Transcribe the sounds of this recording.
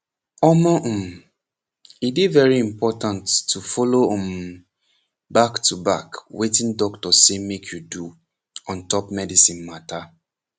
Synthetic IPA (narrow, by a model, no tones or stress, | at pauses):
ɔmãʔ̩m | ibivɛɹiĩmpɔtãntːufɔloɔ̃m | baktʰuba̰kwetĩndɔktɔsemekʰjudu | ɔ̃ntɔpmɛdisĩnmata